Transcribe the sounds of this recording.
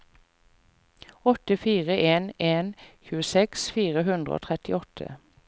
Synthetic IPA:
ɔt̪əfiːʁəʔeːneːnçʉːəsɛksfiːʁəɦʉnd̪ʁə̰o̰ːt̪ʰʁɛt̪ɪɔt̪ʰə̰

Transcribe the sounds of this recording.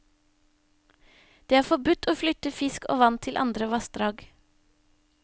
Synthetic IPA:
d̪̥eːæːɾfɔbʉt̪ʰoːflʏt̪əfɪsko̰ːʋɑnt̪ʰɪlʔɑ̰nd̪ɾəʋɑst̪ɾɑːɡ

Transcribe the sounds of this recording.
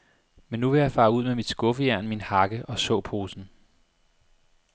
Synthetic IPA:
menːuʋe̝jɑ̈ɪfɑ̈ːuð̞̰ˠmemid̥sɡ̥ɔ̽fəjæɐ̰nminhɑ̈ɡ̥əʔɒ̽sɔ̰̽ːpʰo̝ːsn̩

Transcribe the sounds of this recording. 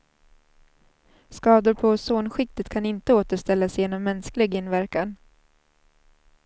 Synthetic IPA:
skɑːd̪ʊɾpʰɔsoːnɧɪk̚t̪ɪt̪kʰanɪnt̪əoːt̪əʂt̪ɛlːasjeːnɔmːɛnsklɪɡɪnvæɾkan

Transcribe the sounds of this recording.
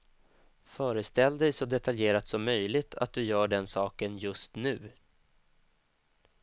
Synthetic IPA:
fœːɾəst̪ɛld̪ɛjsɔd̪ɛt̪ʰaljeːɾat̪sɔmːœjlɪɡt̪ʰa̰t̪̚d̪ɵjœːɖɛnsɑːkənjɵst̪nʉ̟ː

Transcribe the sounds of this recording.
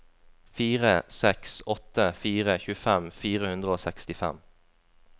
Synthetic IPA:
fiːʁəsɛksɔt̪əfiːʁəçʉːəfɛmfiːʁəhʉnd̪ʁəoːsɛkst̪ɪfɛ̰m

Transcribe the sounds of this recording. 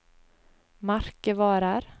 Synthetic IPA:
maɾkəʋɑːɾaɾ

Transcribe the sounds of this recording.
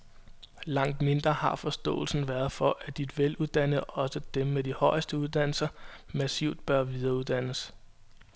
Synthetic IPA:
lɑ̈ŋ̰d̥me̝nd̥ʁɐhɑ̈fɒ̽sd̥ɔ̰̽ːl̩sn̩ʋæɐð̞̩ˠfɒ̽ʔæd̥id̥ʋeluðˠd̥æn̰əð̩ˠɒ̽səd̥emːed̥ihɒ̽ɪəsd̥əuðˠd̥æn̰l̩sɐmæsiʊ̰d̥̚b̥ɶɐʋið̞ˠɐuð̞ˠd̥æn̰əs

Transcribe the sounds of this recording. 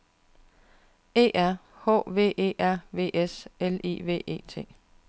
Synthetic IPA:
e̝̰ːʔæɐ̰ | hɔ̰ːʋe̝̰ːʔe̝̰ːæɐ̰ʋe̝̰ːʔeselḭʋe̝̰ːe̝̰ːt͡sʰe̝̰ː

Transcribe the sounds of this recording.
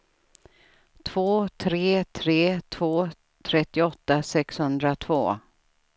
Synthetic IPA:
t̪ʰv̥oːt̪ʰɾeːt̪ʰɾeːt̪ʰv̥oː | t̪ʰɾɛt̪ːɪɔt̪ːasɛkshɵnd̪ɾat̪ʰv̥o̰ː

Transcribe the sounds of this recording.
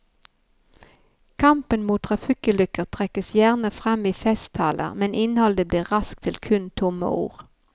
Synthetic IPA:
kʰɑmpənmuːt̪ʰʁɑfɪkəlʏkəʁt̪ʰʁɛkəsjæʁnəfʁɑmiːfɛst̪ʰɑːlə̰ʁmɛnʔɪnhɔld̪əbliːʁʁɑsk̚t̪ʰɪlkʰʉnt̪ʰʊmə̰ṵːʁ

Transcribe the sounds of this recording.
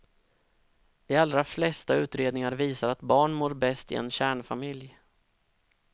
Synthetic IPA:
d̪̥ɛalɾaflɛst̪aʉ̟ːt̪ɾeːd̪nɪŋaɾviːsaɾat̪bɑːɳmoːɾbɛst̪ɪ̰ɛ̰nɕæːɳfamɪlj

